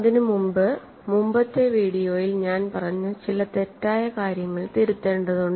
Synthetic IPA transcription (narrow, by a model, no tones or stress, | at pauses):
ɐðinɨmumbɨ | mumbɐt̪ːe̞ʋiːɽijo̞ːjilɲaːnpɐrɐɲːut͡ɕilɐt̪e̞tːaːjɐkaːɾjɐŋːɐɭt̪iɾut̪ːe̞ːɳɖɐðuɳɖ